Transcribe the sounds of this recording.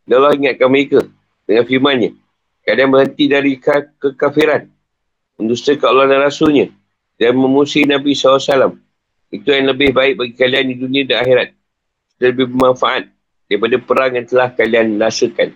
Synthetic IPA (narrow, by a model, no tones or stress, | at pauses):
dalahiŋat̪̚kaməɾeka | dəŋanfirmanɲa | kadanbəɦənt̪idaɾikakəkafiɾan | ənd̪ust̪əkaulanaɾasulɲã | danmə̃musinãbisaasalam | it̪ujaŋləbɪhbaɪk̚baɡikaliandidunĩãdanaxiɾat̪̚ | ki̥t̪aləbɪhbəmãnfaʔat̪̚ | daɾipadapəɾaŋjant̪əlahkalianlasəkan